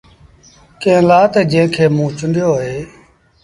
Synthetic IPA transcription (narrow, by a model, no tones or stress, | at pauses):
kẽːlaːt̪eːd͡ʒẽːɪ̃kʰeːmũːt͡ʃʊnd̪joːɦoeː